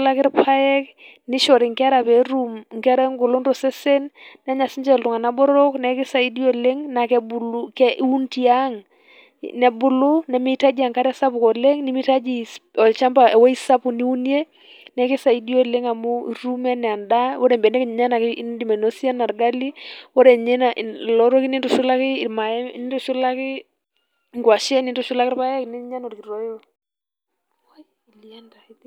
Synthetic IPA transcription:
la˦kɪ˦ɾpʰa˦jɛ˦k | nɪ˦ʃɔ˨ɾi˨ŋkɪ˦a˦ɾa˨pɛ˨ɾu˦mŋkɪ˦a˦ɾa˦ŋɡʊ˨lo˦nɾɔ˨sɛ˦sɛ˦nn˦a˦ɲa˨si˦ɲd͡ʒɛ˦˨ltʊ˨ŋa˨na˦bɔ˦ɾɔ˦knɛ˨kɪ˦sa˨i˦di˦o˦˨le˦ŋna˨kɛ˨bu˨lkɛ˦ʔu˦nti˦aŋ | nɛ˨bʊ˨lʊ˦nɛ˨mi˦ta˦d͡ʒi˨a˨ŋka˦ɾɛ˦sa˦pu˨kɔ˨le˦ŋni˦mi˦ta˦d͡ʒi˨sɔ˨lt͡ʃa˦mba˨ɛ˨wɔ˦i˦sa˦pu˨ni˦u˦ni˦e˦ | nɛkɪ˦sa˨idi˦ɔ˦˨lɛ˦ŋa˨mu˦iɾu˦mɛ˦nɛ˨a˨nda˦wɔ˦ɾɛ˨mbɛ˨ndɛ˦ki˦ɲ˨ɲa˦na˨kɪ˦ndi˨ma˨no˦si˦a˦na˨ɾɡa˦li˦wɔ˦ɾɛ˨ɲɛ˦nalɔ˦ɾɔ˦ki˦ni˦ntu˨ʃʊ˦la˦kɪ˦˨ma˨ɛ˦n˦ntu˦ʃu˦la˦kɪ˦ | ŋɡwa˨ʃɛ˦ni˦ntɔ˦ʃu˦la˦kɪɾpa˦jɛ˦knɛ˦ɲa˦no˨ɾki˨ɾɔ˨jɔ | i˨li˨anda˨t

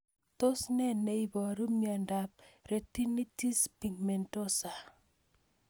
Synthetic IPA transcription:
to˦snɛ˦nːe˨i˦bɔ˨ɾu˦mia˨nda˨p̚ɾe˨ti˦ni˦ti˦spi˨ŋme˨nto˦sa˨

